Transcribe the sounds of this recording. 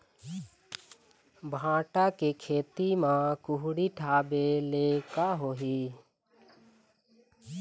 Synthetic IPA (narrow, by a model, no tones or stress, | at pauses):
bʱãːʈakekʰeːt̪imãkʊɦɽiʈʰaːbelekaɦoːɦi